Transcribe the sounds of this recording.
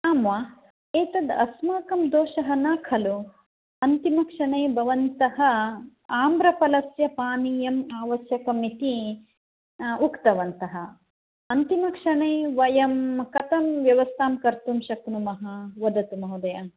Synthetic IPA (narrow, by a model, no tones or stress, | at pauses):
aːmʋaː | eːt̪ɐd̪ɐsmaːkɐmd̪oːʃɐɦɐnaːkʰɐlu | ɐnt̪imɐkʂɐɳeːbʱɐʋɐnt̪ɐɦɐ̆ | aːmbɾɐpɐlɐsjɐpaːnijɐmaːʋɐsjɐkɐmit̪i | ukt̪ɐʋɐnt̪ɐɦɐ̆ | ɐnt̪imɐkʂɐɳeːʋɐjɐmkɐt̪ɐmʋjɐʋɐst̪ʰaːmkɐɾt̪umʃɐknumɐɦɐʋɐd̪ɐt̪umɐɦud̪ɐja